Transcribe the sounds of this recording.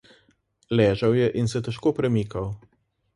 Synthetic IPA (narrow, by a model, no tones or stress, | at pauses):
lɛːʒawjɛʔinsɛt̪ɛʃkoːpɾɛmiːkaw